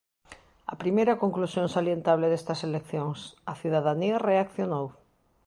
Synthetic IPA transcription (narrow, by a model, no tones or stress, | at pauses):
ɐ̰pɾimejɾɐkoŋklusjõŋsaljent̪aβleðest̪ɐselekθjoŋsɐθiðaðaniɐreakθjonow